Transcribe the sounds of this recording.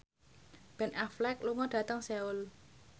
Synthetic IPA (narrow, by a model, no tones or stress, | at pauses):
b̥ɛ̤naflɛk̚luŋɔd̥a̤t̪əŋsɛʊl